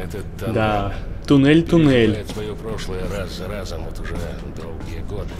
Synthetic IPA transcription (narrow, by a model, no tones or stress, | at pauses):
ɛt̪ɛ | d̪at̪ʊnɛlʲt̪ʊnɛlʲsʋɐjopɾoʂlˠɨjəɾazzɐɾazɐmot̪ʊʐɛ | d̪owɡʲijəɡod̪ɪ